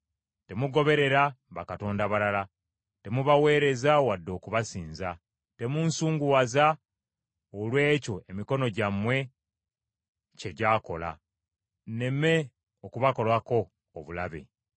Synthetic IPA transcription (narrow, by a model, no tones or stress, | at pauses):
te̞muɡo̞βe̞ɾe̞ɾaβakato̞ːndaβalala | te̞muβawe̞ːɾe̞zawadːo̞ːkuβasiːnza | te̞munsuːŋɡuwaza | olwe̞ːco̞e̞miko̞no̞ɟamwe̞ | ce̞ɟaːko̞la̰ | ne̞me̞ | okuβako̞lwako̞ː | βulaβe̞̰